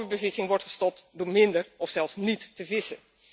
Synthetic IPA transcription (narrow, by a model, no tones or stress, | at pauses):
əbəvɪsɪŋʋɔɹtχə̥stɔp̚tdʊːɹmɪndəɹɔfsɛlˠfsnitːəvɪsən